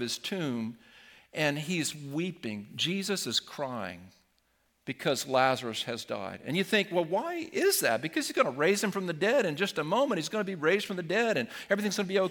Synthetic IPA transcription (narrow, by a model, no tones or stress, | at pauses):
v̥ɨz̥tʰʉ̃mʔɨ̃nizwipɪ̃ŋd͡ʒizɨsɨz̥kʰɹ̥aɪɪ̰̃ŋ | b̥ɨkʰʌzlæzə˞ɨshɨzda̰ɪɾɨ̰̃njɨθɪ̃ŋkwɛlˠwaɪɪzðæ̰t̚b̥ɨkʰʌz̥izɡʌnəɹeɪz̥ɨ̃ɱfɹʌ̃mðɨdɛɾɨ̃nd͡ʒʌstəmõʊ̃mɨ̃t̚hizɡʌnəbiɹeɪzd̥fɹʌ̃mðɨdɛɾɨ̃n | ɛvɹiθɪ̃ŋzɡʌnɨbioʊ